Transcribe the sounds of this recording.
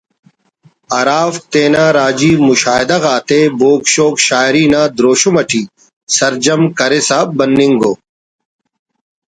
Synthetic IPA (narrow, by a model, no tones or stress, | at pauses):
ɐɾaːft̪eːnaːɾaːd͡ʑiːmʊʃaːɦɪd̪aɣaːt̪eboːkʃoːkʃaːɾiːnaːd̪ɾoːʃomɐʈʰiː | sɐɾd͡ʒɐmkɐɾesaːbɐnːiŋɡoː